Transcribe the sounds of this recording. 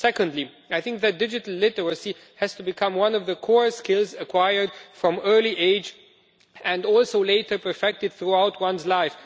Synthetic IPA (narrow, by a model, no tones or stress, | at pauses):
sɛkə̃ndˡli | aɪθɪ̃ŋk̚ðɨt̚d̥ɪd͡ʒɨtl̩ˠlɪɾəɹəsi | hɨz̥tɨbɨkʰʌ̃mwʌ̃nʌvðəkʰɔɹskɪlˠzɨkʰw̥aɪə˞d̚fɹʌ̃mɜ˞liʔeɪd͡ʒ | ɨ̃nɔlˠsoʊleɪɾə˞pʰə˞fɛk̚tɨd̪̚θɹuaʊt̚ʰwʌ̃nzlaɪf